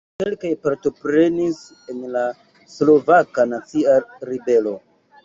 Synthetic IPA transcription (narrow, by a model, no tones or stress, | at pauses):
ke̞lkajpaɾto̞pɾe̞nis | e̞nla | slo̞vakanat͡siaɾibe̞lo̞